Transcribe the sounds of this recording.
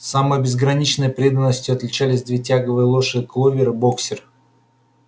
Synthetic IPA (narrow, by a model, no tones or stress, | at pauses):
saməjbʲɪzɡɾɐnʲit͡ɕnəjpɾʲed̪ənːəsʲtʲjʊɐt̪lʲɪt͡ɕælʲɪsʲd̪vʲetʲaɡəvɨjəlˠoʂɨklˠovʲɪɾɨboksʲɪr